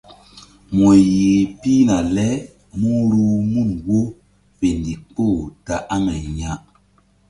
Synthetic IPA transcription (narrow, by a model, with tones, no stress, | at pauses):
mo˨ji˨pi˦na˨lɛ˦ | mu˦ɾu˦mu˦˨nwo˦ | pe˨n˨di˨k͡po˦˨ta˨ʔa˦mɛ˨ɲa˦ʔ